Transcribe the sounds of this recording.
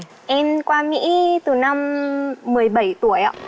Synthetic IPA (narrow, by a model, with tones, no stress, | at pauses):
ʔɛ˧mkwaː˧mḭ˧˥t̪ɨ˨˩na˧mː | ɨ˨˩əjɓə˧˩jt̪u˧˩əjʔa̰ː˧˨